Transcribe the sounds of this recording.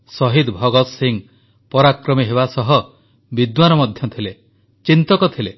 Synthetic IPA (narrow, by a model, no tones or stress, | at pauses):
sɔɦid̪bʱɔɡɔt̪siŋ | pɔɾakɾɔmiɦeβasɔɦɔ | bid̪wanɔmɔd̪ʱjɔt̪ʰile | t͡ʃint̪ɔkɔt̪ʰile